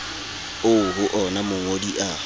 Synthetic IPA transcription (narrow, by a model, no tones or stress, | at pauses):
ʊɦʊʔɔnamʊŋodiʔa